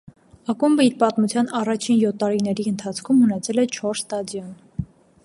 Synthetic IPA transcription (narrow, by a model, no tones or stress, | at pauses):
ɑkumbəiɾpɑt̪mut͡sʰjɑnɑrɑt͡ʃʰinjɔt̪ʰːɑɾinɛɾiənt̪ʰɑt͡sʰkʰumhənɛt͡sʰɛlɛt͡ʃʰɔɾst̪ɑd̪jɔn